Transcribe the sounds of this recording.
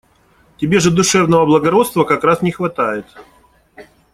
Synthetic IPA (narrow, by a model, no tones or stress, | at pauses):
tʲɪbʲe̞ʐɨd̪ʊʂɛvnəvəblˠəɡɐɾo̞t̪st̪vəkɐkɾasnʲɪxvɐt̪ajɪt̪